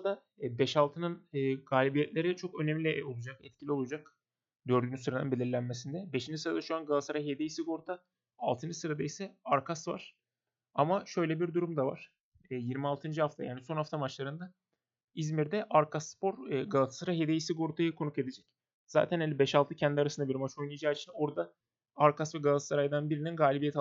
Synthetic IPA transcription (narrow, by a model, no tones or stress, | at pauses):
d̪a | bɛʃalˠt̪ʰɯnɯnːɡaːlʲibijɛt̪lʲe̞ɾit͡ʃʰo̞kø̞nɛmlʲɛo̞lˠud͡ʒakɛt̪̚cʰilʲio̞lˠud͡ʒak | d̪ø̞ɾd̪ynysɯɾanɯnbe̞lʲiɾlʲænmesind̪ɛbeʃind͡ʒisɯɾad̪aʃuanɡalˠasɯɾaɦed̪ejisiɡo̞ɾut̪ʰa | alˠt̪ʰɯnd͡ʒɯsɯɾad̪ajisɛaɾkʰasva̰ɾ̥ | amaʃø̞jlʲɛbiɾd̪uɾumd̪ava̰ɾ̥ː | jiɾmialˠt̪ʰɯnd͡ʒihaft̪ʰa̰jaːniso̞nhaft̪ʰamat͡ʃlˠaɾɯnd̪a | izmiɾd̪ɛʔaɾkasːpo̞ɾɡalˠat̪ḁsɯɾaɦed̪ejisiɡo̞ɾut̪ʰajɯkʰo̞nuke̞d̪ed͡ʒɛc | z̥a̰ːt̪ʰænelʲibɛʃalˠt̪ʰɯcʰɛnd̪iaɾasɯnd̪abiɾmat͡ʃʰo̞jnˠɯjad͡ʒaːit͡ʃʰino̞ɾd̪a | aɾkʰasvɛɡalˠasaɾajd̪anbiɾininɡaːlʲibijɛt̪ʰ